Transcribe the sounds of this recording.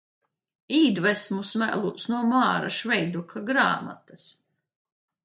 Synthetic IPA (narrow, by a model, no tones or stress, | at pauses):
iːd̪vɛsmusmæ̰lˠusnuɔmaːɾa̰ʃvɛjd̪ukʰaɡɾa̰ːma̰t̪as